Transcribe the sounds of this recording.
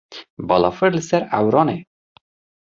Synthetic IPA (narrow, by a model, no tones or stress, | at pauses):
bɒlɑfəɾləsɛɾæwɾɑne